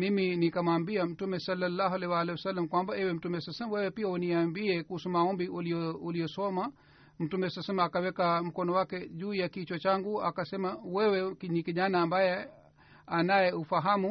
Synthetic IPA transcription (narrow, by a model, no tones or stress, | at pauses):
miminikamwaːmbiam̩tumɛsalːalːaɦalɛwalɛɔsalːamkwambaɛwɛm̩tumɛsalsɛmwɛwɛpiauniambiɛkuusumaɔmbiuliɔuliɔsɔma | m̩tumɛsalasɛmaːkawɛkam̩kɔnɔwakɛʄuːjakit͡ʃɔt͡ʃaŋɡua̰kasɛmawɛwɛkiɲikiʄanaːmbajɛ | anajɛufaɦamu